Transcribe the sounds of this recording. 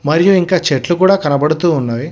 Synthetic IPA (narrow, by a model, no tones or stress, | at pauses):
mɐɾijuiŋkaːt͡ʃeʈlukuːɽaːkɐnɐbɐɽut̪uːnːaːji